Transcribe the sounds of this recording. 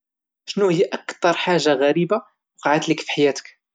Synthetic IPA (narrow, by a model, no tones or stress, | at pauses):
ʃnuhəjːaʔækt̪ɑɾˤħaʒːaɣæɾiba | wɑqɑʕət̪ləkfi̥ħajæt̪ə̥k